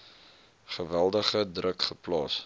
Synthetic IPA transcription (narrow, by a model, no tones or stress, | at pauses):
χəvælˠdəχədrəkχəplɑ̰ːs